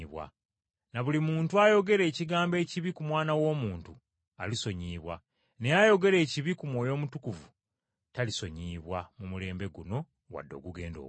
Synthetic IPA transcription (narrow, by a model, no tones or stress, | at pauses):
βwa̰ | naβulimuːntuajo̞ɡe̞ɾe̞ːciɡaːmbe̞ːciβikumwaːnawo̞ːmuːntu | aliso̞ɲiːβwa̰ | ne̞jajo̞ɡe̞ɾe̞ːciβikumwo̞ːjo̞ːmutukuvu | taliso̞ɲiːβwamumule̞ːmbe̞ɡuno̞ | wa̰dːo̞̰ɡuɡe̞ːndo̰